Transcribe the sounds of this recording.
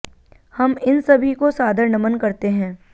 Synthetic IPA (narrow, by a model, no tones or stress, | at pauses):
hɐmɪnsɐbʱikosaːd̪əɾnəmənkɐɾt̪eɦɛ̃ː